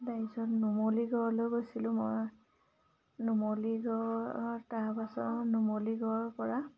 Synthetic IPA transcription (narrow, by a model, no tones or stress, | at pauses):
daisɔtnumoliɡɔɹlojɡojsilʊ̃moj | numoliɡɔɹtaɹpasɔnumoliɡɔɹpɔɹa